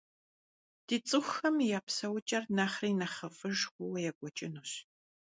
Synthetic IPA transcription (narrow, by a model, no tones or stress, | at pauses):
d̥iːt͡sʼɨxʷɐmjaːpsɐwt͡ʃʼɐrnaːχriːnɐχɐfʼɨʒxʷʊwɐjɛɡʷʼɔt͡ʃʼɪnuːɕ